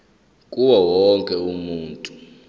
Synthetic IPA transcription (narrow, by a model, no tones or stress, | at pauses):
kʼuwawɔŋkʼɛumuːntʼu